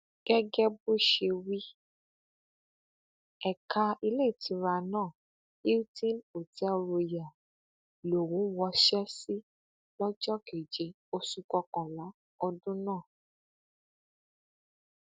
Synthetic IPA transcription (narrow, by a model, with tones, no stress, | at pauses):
ɡ̥ɛ˦ɡɛ˦bo˦˨ʃe˧wi˦ | ɛ˨kʰa˧i˧le˦˨ti˨˦ɾa˧nãː˦˨ | i˦u˦tĩ˦no˨tɛ˦o˧ɾo˧ja˨ | lo˨wũ˨˦wɔ˧ʃɛ˦si˦ | lɔ˦d͡ʒɔ˦ke˨d͡ʒe˨˦ | o˧su˧kɔ˧kɔ̃˨la˨˦ | ɔ˧dũ˦nãː˦˨